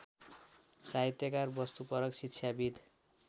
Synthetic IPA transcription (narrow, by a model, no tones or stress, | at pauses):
saɦit̪jʌkarbʌst̪upʌɾʌksitːt͡sʰjabid̪ʱ